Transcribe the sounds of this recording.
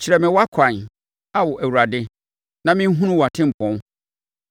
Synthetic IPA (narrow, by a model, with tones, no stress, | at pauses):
t͡ɕʰi˨ɾɛ˨mɪ̃˨wa˦kʷʰã˨n | a˨wɔ˨ʔæ˨wu˨ɾa˨dɪ˦ | nã˨mɪ̃˦ɦũ˦nũ˦wa˨tʰɪ̃˦m̩˨pʰɔ̃˨˦